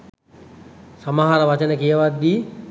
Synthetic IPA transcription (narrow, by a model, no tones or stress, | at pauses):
saməɦaɾəʋat͡ʃənəkijəʋat̪ːiː